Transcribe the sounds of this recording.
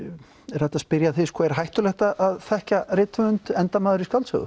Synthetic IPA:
ɛɾ̥hɛht̪aspɪɾjaθɪskʰvɔɛɾ̥ɦajht̪ʏlɛht̪aʔaðθɛhcarɪːt̪ʏmʏnt̪ɛnt̪amaːðʏɾiskalsœ̰ɣʏ̰

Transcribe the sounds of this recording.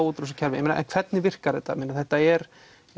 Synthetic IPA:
wut̪ɾusɔcʰalvɪɛmɪnːaʔɛ̰nkʰv̥ɛt̪nɪvɪr̥kaɾ̥ðɛt̪ːa̰mɪːnːaθɛht̪ːaɛɾ

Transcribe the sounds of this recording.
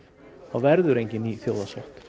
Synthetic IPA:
aɣvɛɾðʏɾejɲcɪniθjoːwðasɔht̪

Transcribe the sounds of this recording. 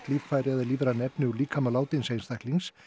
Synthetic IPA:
t̪liːffaːjɾɛðɪliːvɾanɛpnɪuɾliːkʰamalaːwt̪ɪnsejnst̪ajkliŋs

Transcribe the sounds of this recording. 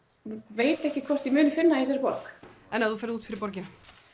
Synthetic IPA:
veːjt̪ɛhcɪkʰvɔr̥t̪jimʏːnɪfɪnːaisɛɾpɔɾk | ɛnaðufaɾðuːt̪fɪɾɪɾpɔɾcɪna

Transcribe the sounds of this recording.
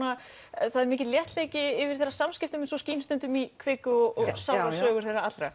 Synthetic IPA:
na | θaðɛɾmɪːcɪðljɛht̪leːjcɪɪvɪɾ̥θɛrːasamscɪft̪ʏmɛnsɔsciːnʏst̪ɛnt̪ʏmikʰvɪkʏɔɔɣsawɾaœːɣʏɾ̥θejraat̪lɾa

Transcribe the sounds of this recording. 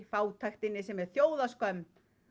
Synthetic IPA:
faːwt̪ʰajxt̪ɪnːɪsɛmɛɾ̥θjoːwðaskœm

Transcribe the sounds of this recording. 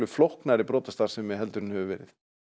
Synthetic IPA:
ʏflɔhknaɾɪpɾɔːt̪ast̪aɾ̥sɛmːɛɦɛlt̪ʏɾɪnhɛvʏvɛ̰ːɾɪθ

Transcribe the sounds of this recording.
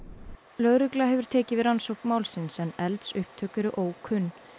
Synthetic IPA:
lœːɥɾʏklaɦɛvʏɾ̥t̪ʰɛːcɪvɪðɾansowhkmawlsɪnsɛnɛlt̪sʏhp̚t̪ʰœːkʏɾʏʔoːwkʰʏnː

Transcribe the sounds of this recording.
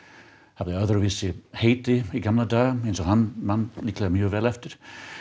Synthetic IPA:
havðɪœðɾɔviːsɪheːjt̪ɪiɡamlad̪aːɣaejnsɔɣhanːmanːliːklaðmjœːvɛːlɛft̪ɪɾ̥

